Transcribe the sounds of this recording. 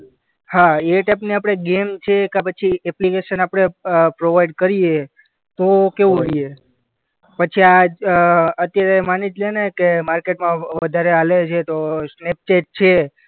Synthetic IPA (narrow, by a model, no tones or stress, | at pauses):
haeʈepniapɽ̃eɡemt͡ʃʰekapət͡ʃʰiɛplikeʃənapɽ̃epɾoʋaiɖkəɾije | t̪okeʋũlie | pət͡ʃʰia | ət̪jaɾemanid͡ʒlenekemaɾkeʈmãʋəd̪ʱaɾealet͡ʃʰet̪osnep̚t͡ʃeʈ̚t͡ʃʰe